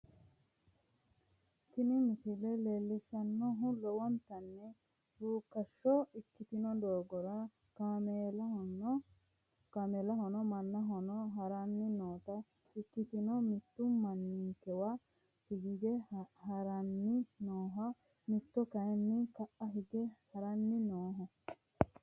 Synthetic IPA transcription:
kɪnɪmɪsɪlɛleːlːɪʃɐnːɔɦʊlɔwɔnt̪ɐnːɛ | buːkːɐʃːɔɪkːɪt̪ɪnɔd̪oːɡɔɾɐ | kaml | kamelɐɦɔnɔmɐnːɐɦɔnɔɦɐɾɐnːɪnoːt̪ɐ | ɪkːɪt̪ɪnɔmɪt̪ːʊmɐnːikɛwɐ | hɪɡɪɡɛhɐɾɐnːɪnoːɦɐ | mɪt̪ːɔkɐjnːɪkɐʔɐɦɪɡɛhɐɾɐnːɪnoːɦɔ

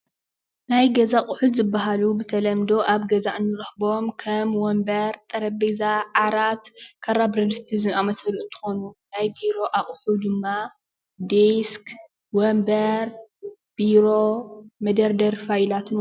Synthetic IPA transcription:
najɡɐzaχʼʊħud̪zɨbːaɦalubɨt̪ʰɐlɐmd̪o̞ʔaβɡɐzaʔɨnːɨɾɨxbo̞mkʰɐmwɔmbɐɾt̪ʼɐɾɐbezaʕaɾat̪kʰɐɾabɾɐd̪st̪ʰizɨamɐsɐlʔut̪ʰɨ̥xo̞nunajbiɾo̞ʔaχʼʊħud̪ɨmːa | d̪esk | wɔmbɐɾ | b̥iɾo̞mɐd̪ɐɾd̪ɐɾfajlat̪ʰɨn

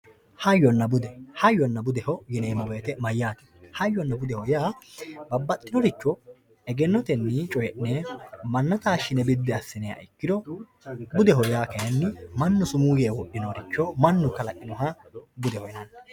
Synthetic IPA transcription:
hɐjːɔnːɐbʊd̪ɛhɐjːɔnːɐbʊd̪ɛhɔjɪneːmɐwe̞ːt̪ɛmɐjːaːtɛ̥hɐjːɔnːɐbʊd̪ɛhɔjaːbɐbːɐt̪ʼːɪnɔɾɪt͡ʃːɔ | ɛɡɛnːɔt̪ɛnːɪt͡ʃʼɔjɛʔnemɐnːɐt̪aːʃɪnɛbɪd̪ːɛɐsːɪnɛjɐ̰ɪkːɪd̪ɔ | bʊd̪ɛhɔjaːkɐjɐnːɪmɐnːʊsʊmuːjeːwɔʔːɪnɔɾɪt͡ʃːɔmɐnːʊkɐlɐʔɪnɔɦɐbʊd̪ɛhɔjnɐn

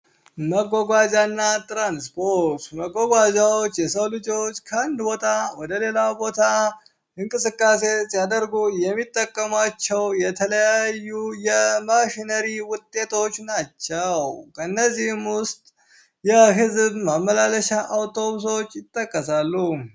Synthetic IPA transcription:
məɡːoɡʷad͡ʒanːat̪ʼɾanspʰoɾt̪məɡoɡʷad͡ʒaot͡ʃːjɛsəwlɨd͡ʒo̞t͡ʃːkʰəand̪bo̞t̪ʰawɔd̪əle̞labo̞t̪ʰa | ʔɨŋkʼɨsɨkʼːase̞sjad̪əɾɡujɛmːit̪ʼːəkʼːəmat͡ʃːɛwjɛt̪ʰələjajːujɛmaʃinəɾiwʊt̪ʼːe̞t̪ʰo̞t͡ʃːnat͡ʃːəwkʰəɨnːəzːihmwʊst̪ʼ | jɛɦɨzbmamːəlaləʃaʔawt̪ʰo̞βus̬o̞t͡ʃːɪt̪ʼːəkʼːəsalːu

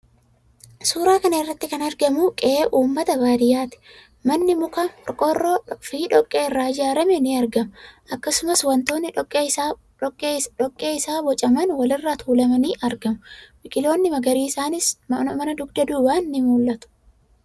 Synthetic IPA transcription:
suːɾaːkɐnɐɪrːɐt̪ːɪkɐnɐɾɡɐmʊkʼɛeːʔuːmːɐt̪ɐbaːd̪ɪjaːt̪ɪ̥ | mɐnːɪmʊkɐᶑɔkʼːɔrofiːᶑɔkʼːeːɪrːaːd͡ʒaːɾɐmɛnɪɐɾɡɐmʊʔɐkːɐsʊmɐswɐnt̪o̞ːnːɪkʼːe | ɔkʼːeːɪsaːbɔt͡ʃʼɐmɐnwɐlɪrːaːt̪ʰuːlɐmɐniːʔɐɾɡɐmʊbɪkʼɪlo̞ːnːɪmɐɡɐɾiːɪsaːnɪsmɐmɐnɐd̪ʊɡd̪ɐd̪uːwaːnːɪmuːlːɐt̪ʊ̥

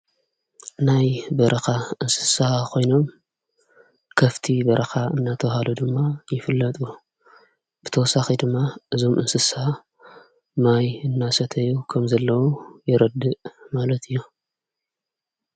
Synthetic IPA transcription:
najbɐɾʔɐxaʔɨnsɨ̥saakʰo̞jno̞m | kʰɐft̪ʰibɐɾʔɐxaɨnːat̪ʰɐwhalud̪ɨmːajɪfɨlːɐt̪ʼu | b̥ɨt̪ʰɐwɔsaxid̪ɨmːaʔɨzo̞mʔɨnsɨs | majɨnːasɐt̪ʰɐjːukʰɐmzɐlːɐwujɪɾɐd̪ɨʔmalɐt̪ʰɨjːu

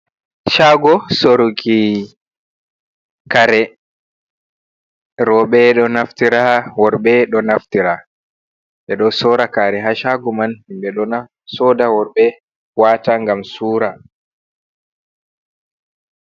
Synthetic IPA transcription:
ʃaɡɔsoɾuɡi | kaɾɛ | ɾɔɓɛɗɔnaftiɾawɔɾɓɛɗɔnaftiɾa | ɓɛɗɔsɔɾakaɾɛɦaʃaɡɔmanhimbɛɗɔna | sɔːdawɔɾbɛ | waːtaŋɡamsuːɾa

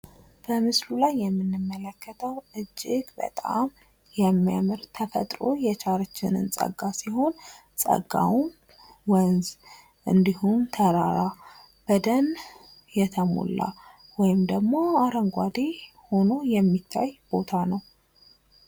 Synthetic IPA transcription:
b̥əmɨslulajːɛmːɨnːɨmːələkːət̪ʰəwʔɨd͡ʒːɪɡbə̰t̪ʼa̰m | jɛmːijamɨɾt̪ʰəfət̪ʼɾo̞̰jɛt͡ʃʰʼaɾət͡ʃːɪnɨ̰nsʼə̰ɡːasiho̞n | sʼə̰ɡa̰wun | wənz | ʔɨnd̪ihumt̪ʰəɾaɾa | b̥əd̪ən | jɛt̪ʰəmo̰lːa̰ | wɔjɪmd̪əɡmo̞aɾəŋɡʷad̪e | ho̞no̞jɛmːit̪ʰːajb̥o̞t̪ʰanəw

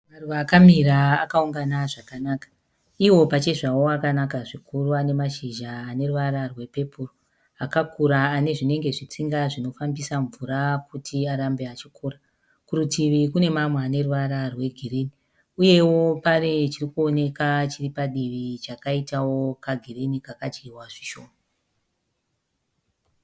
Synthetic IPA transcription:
maruʋakamiɾaːkauŋɡanaʐakanakḁ | iwo̞pat͡ʃe̞ʐawo̞akanakaʐikuruane̞maʃiʒaːne̞ruʋaɾarwe̞pe̞puro | akakuɾaːne̞ʐine̞ŋɡe̞ʐit͡siŋɡaʐino̞fambisaɱvuɾakutiaɾambeat͡ʃikuːra | kuɾutʰiʋikune̞mamweaːne̞ruʋaɾarwe̞ɡʱirini | uje̞wo̞paret͡ʃirikuo̞ne̞kat͡ʃiripaɗiʋit͡ʃakaitawo̞kaɡʱirinikakat͡ʃiiwaʐiʃo̞ːma

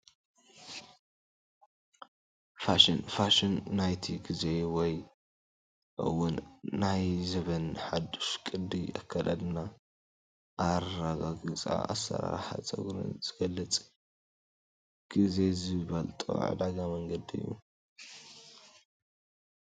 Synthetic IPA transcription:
faʃinfaʃɪnːajt̪ʰiɡize̞wɔj | ʔɨ̰wʊnːajzɐβɐnħad̪u̥ʃkʼɨd̪iakʰːɐlad̪na | ʔaɾɾaɡaɡɨt͡sʼa̰a̰sːɐ̰ɾa̰ɾħa̰t͡sʼɐ̰ɡɾɨ̰nz̥ɨɡ̥ɐlːɐt͡sʼ | ɡ̥ize̞zɨβɐlt̪ʼo̰ʕ̰d̪aɡamɐŋɡɐd̪iɨ̰jːṵ

